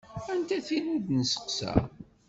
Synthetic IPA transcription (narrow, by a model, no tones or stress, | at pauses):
ænt̪æθinid̪nəsə̥qsæ̰